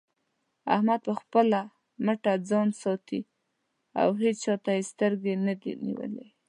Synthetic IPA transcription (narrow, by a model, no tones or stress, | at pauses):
a̰hmad̪̚pəxpəla | məʈad͡zɑnsɑt̪i | a̰wɦed͡ʒt͡ʃɑt̪ajest̪əɾɡenad̪ḭnḭwə̰le